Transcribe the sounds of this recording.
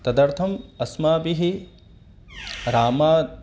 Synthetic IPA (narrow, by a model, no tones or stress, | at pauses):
t̪ɐd̪ɐɾt̪ʰɐmɐsmaːbiɦi | ɾaːmaː